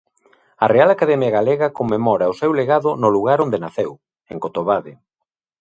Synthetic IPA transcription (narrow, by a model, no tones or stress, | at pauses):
ɐrealakaðɛmjaɣaleɣɐkomːemɔɾɐosewleɣaðʊnoluɣaɾond̪enaθew | eŋkot̪oβaðɪ